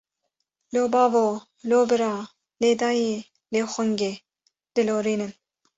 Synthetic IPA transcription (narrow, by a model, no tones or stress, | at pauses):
loːbɑːvoː | loːbɨɾɑː | leːd̪ɑːje | leːxʷʊŋɡeː | d̪̥ɨloːɾiːnɨn